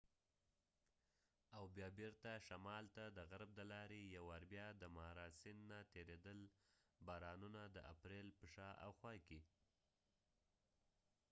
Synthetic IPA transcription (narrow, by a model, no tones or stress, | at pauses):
awbjɑbeɾt̪aʃamɑlt̪ad̪əɣaɾb̚d̪əlɑɾejawaɾbjɑd̪əmɑɾɑsɪnːat̪eɾed̪əlbɑɾɑnunad̪əʔa̰pɾelpəʃɑʔa̰wxwɑjke